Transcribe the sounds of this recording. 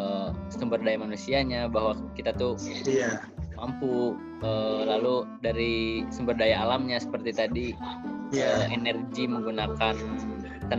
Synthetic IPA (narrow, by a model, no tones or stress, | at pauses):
sumbərdajamanusiaɲabaɦwakit̪at̪u | mampu | əlaludaɾisumbərdajaːlamɲasə̥pərt̪it̪adi | əenərɡiməŋɡunakan | kən